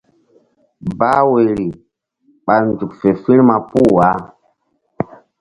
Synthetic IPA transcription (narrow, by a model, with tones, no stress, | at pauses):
ba˦we˨ɾi˨ | ɓa˨lnd͡ʒu˨kfe˨fi˦ɾma˨pu˦wa˨˦